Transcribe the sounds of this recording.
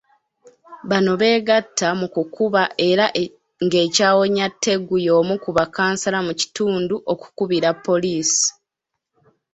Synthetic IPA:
βano̞βe̞ːɡatːamukukuβaʔe̞ɾaʔ | ŋɡe̞ːcaːwo̞ɲatːe̞ɡujo̞ːmukuβakaːnsalamuci̥tuːnduʔo̞ku̥kuβiɾapʰːo̞liːsi̥

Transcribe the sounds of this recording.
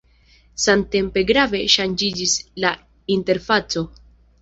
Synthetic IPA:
samte̞mpe̞ɡɾave̞ʃand͡ʒid͡ʒisla | inte̞ɾfat͡so̞

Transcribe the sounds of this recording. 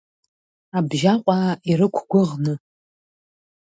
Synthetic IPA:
abʒaqʷʼaiɾɨkʷʰɡʷʊʁnɨ

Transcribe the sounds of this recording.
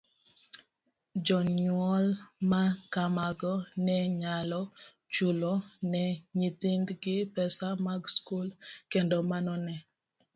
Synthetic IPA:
d͡ʒɔɲwɔlmakamaɡɔnɛɲalɔ | t͡ʃulɔnɛɲit̪indɡɪpɛsamaɡskulkendɔmanɔnɛ

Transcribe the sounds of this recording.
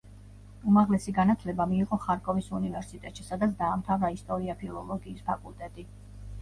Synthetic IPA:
umaʁlɛsiɡanat̪ʰlɛbamiːqʼɔχaɾkʼɔvisunivɛɾsit̪ʼɛt̪ʃisad̪at̪sd̪aːmt̪ʰavɾaist̪ʼɔɾiapʰilˠɔlˠɔɡiːspʰakʼulˠt̪ʼɛt̪ʼi

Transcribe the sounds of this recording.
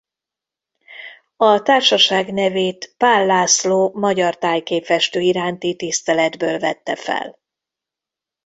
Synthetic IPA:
ɒt̪aːrʃɒʃaːɡnɛveːt̪paːlːaːsloːmɒɟɒrt̪aːjkeːpɛʃt̪øːiɾaːnt̪it̪ist̪ɛlɛd̪bøːlvɛt̪ːɛfɛ̰l

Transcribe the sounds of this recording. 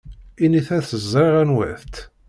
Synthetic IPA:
iniθæθəzˤːɾiʁænwæ̰θt̪

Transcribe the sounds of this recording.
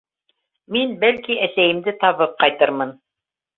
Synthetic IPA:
minbælkiʔæsæjɘ̆md̪ɘt̪ɑβɤp̚qɑjt̪ɤɾmɤn

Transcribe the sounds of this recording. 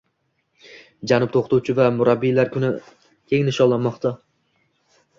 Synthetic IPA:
d͡ʒanʊp̚t̪ʰoqt̪ʰuwt͡ʃʰɪvamʊɾabːilaɾkʰʊnɪ | kʲʰe̞ŋnɪʃɒlːanmɒqt̪ʰa

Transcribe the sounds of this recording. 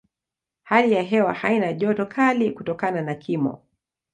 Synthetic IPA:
halijaɦɛwahainaʄɔtɔkʰalikutɔkananakʰimɔ̰

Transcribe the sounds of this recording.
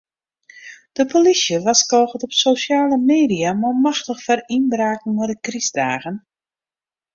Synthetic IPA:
d̥əpʰolisjəʋaskoːɣətɔpsoːsjaːləmeːdijamomaxtəxfərinbraːkn̩ʊdəkrisdaːɣən

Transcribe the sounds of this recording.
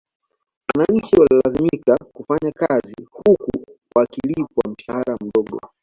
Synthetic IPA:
wanaɲ̩t͡ʃiwalilazimikakufaɲakazihukṵwakilipɔwa̰m̩ʃahaɾam̩ɗɔɠɔ̰

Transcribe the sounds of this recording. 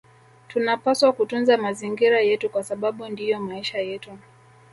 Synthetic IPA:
tunapaswakutunzamaziŋɡiɾajɛtukwasaɓaɓundijɔmaiʃajɛtu

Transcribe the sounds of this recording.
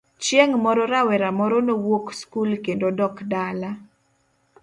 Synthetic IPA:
t͡ʃjeŋmɔɾɔɾawɛɾamɔɾɔnowokskulkendodɔkdala

